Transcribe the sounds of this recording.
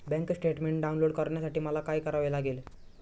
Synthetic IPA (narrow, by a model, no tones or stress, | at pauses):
bɛ̃ŋksʈeʈmeɳʈ̚ɖaunloɽkəɾɳjasaʈiːməlakajkəɾaʋelaɡel